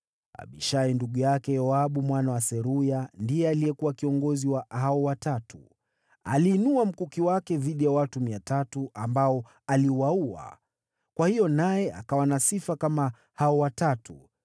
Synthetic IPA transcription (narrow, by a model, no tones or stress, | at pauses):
a̰ɓḭʃainduɠujakɛjɔaɓumwanawasɛɾujandijɛalijɛkuwakiɔŋɡɔziwahaɔwatatu | a̰liːnuam̩kukiwakɛðiɗijawatumiatatuʔambaɔ | aliwaua̰ | kwahijɔnajɛʔa̰kawanasifakama | haɔwatatu